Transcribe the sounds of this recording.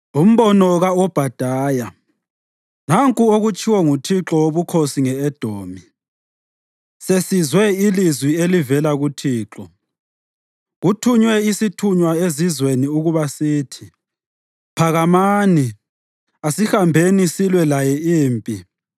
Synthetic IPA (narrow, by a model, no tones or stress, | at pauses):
um̩βɔnɔɣaɔb̥ʱad̥ʱaːja | naŋkʼuoɣut͡ʃʰʼiwɔŋutʰiǁɔwoβukʰosiŋɛɛd̥ʱoːmi | sesizwɛilizwielivɛlaɣutʰiːǁɔ | ɣutʰuɲwɛisitʰuɲwaezizweniuɣuβasiːtʰi | pʰaɣamaːni | asixambʱenisilwɛlajɛiːmpʼḭ